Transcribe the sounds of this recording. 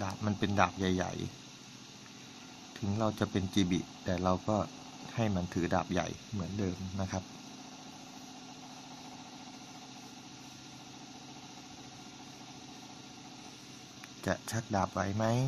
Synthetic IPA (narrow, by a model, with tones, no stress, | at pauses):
daː˨˩p̚ma˧npe˧ndaː˨˩p̚ja˨˩jːa̰˨˩j | t̪ʰɯ˩˦ŋɾa˧wt͡ɕa˨˩ʔpe˧nt͡ɕiː˧bḭ˨˩t̪ɛː˨˩ɾa˧wkɔː˥˩ | ha˥˩jma˧nt̪ʰɯː˩˦da̰ː˨˩p̚ja̰˨˩jmɯ˩˦əndɤː˧mna˦˥kʰa˦˥p̚ | t͡ɕa˨˩ʔt͡ɕʰa˦˥t̪̚daː˨˩p̚wa˩jma˦˥j